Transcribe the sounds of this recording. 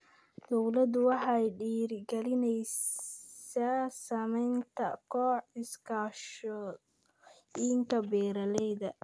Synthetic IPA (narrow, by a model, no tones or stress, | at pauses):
d̪ɔwlɐd̪ʊwɑħɑjɖiːɾɡɛlɪnɛj | saːsɐmɛjnt̪ʰɐ̰kʰɔːħɪskʰaːʃɔ | iŋkʰɐbɛːɾɐlɛjðɐ